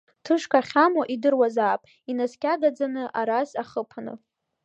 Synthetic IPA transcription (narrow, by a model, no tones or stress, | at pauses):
tʰɨʂkʰʼaχʲamoʔidɨrwazaːpʼ | inaskʲʼaɡad͡zanɨʔaɾazaχəpʰanɨ̰